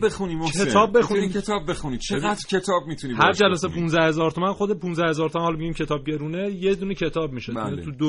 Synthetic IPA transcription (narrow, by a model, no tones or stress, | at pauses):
bexunimoetʰɒːb̚ːexuniiet̪ʰɒbːexunit͡ʃʰeɣæd̪ɾcʰet̪ʰɒːb̚mit̪ʰunibhæɾd͡ʒælæsepʰũnzæhe̞zɒːɾt̪ʰomænxod̪epunzæhe̞zɒːɾt̪ʰomænhɒlmeɟiːmcʰet̪ʰɒːb̚ɟeɾunejed̪unecʰe̞t̪ʰɒːbmiːʃeænit̪ʰud̪o